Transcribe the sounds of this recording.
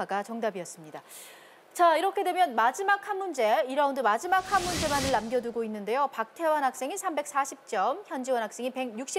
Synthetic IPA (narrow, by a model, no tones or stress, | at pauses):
aɡat͡ɕʌŋdabiʌs͈ɯmɲida | t͡ɕaiɾʌkʰe̞dwe̞mjʌnmad͡ʑimakʰanmund͡ʑe̞iɾaundomad͡ʑimakʰanmund͡ʑe̞manɯɭːamɡjʌduɡoinːɯnde̞jopak̚tʰe̞wʌnɦak̚s͈e̞ŋisʰambe̞k̚s͈aɕʰip̚t͡ɕ͈ʌmçjʌnd͡ʑiwʌnɦak̚s͈e̞ŋipe̞ɡjuk̚ɕ͈i